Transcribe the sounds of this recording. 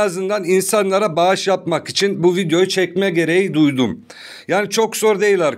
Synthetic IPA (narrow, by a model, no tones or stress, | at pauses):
azɯnd̪aninsanlˠaɾabaɯʃjapmakit͡ʃʰinbuvid̪ejo̞jut͡ʃʰɛcmɛɟe̞ɾe̞jid̪ujd̪um | jaːnit͡ʃʰo̞kz̥o̞ɾd̪e̞jilʲæɾ